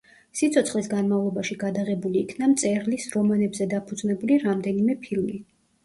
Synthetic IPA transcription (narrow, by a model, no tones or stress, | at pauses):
sit̪sʰɔt̪sʰχlisɡanmavlˠɔbaʃiɡad̪aʁɛbuliːkʰnamt̪sʼɛɾlisɾɔmanɛbzɛd̪apʰud̪znɛbuliɾamd̪ɛnimɛpʰilˠmi